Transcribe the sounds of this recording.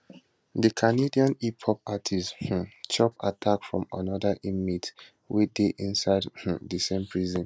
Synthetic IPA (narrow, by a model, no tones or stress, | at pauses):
dikʰanediãnipʰɔpatʰish̩t͡ʃɔpatʰakfɹɔ̰̃ma̰nɔdaʔimit | wideʔĩnsaɪdh̩dəsẽmpʰɹizɔ̃n